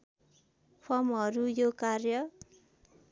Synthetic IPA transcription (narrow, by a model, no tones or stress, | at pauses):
pʰʌmʌɾujokarjʌ